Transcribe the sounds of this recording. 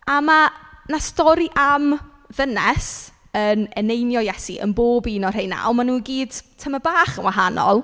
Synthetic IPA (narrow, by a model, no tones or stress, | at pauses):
amanastɔɾiʔam | vənɛs | ənɛnejnjɔjɛsiʔə̰nboːbiːnɔr̥ejna̰ɔmanuːɡiːd̥tʰəməbaːχənwaɦanɔ̰lˠ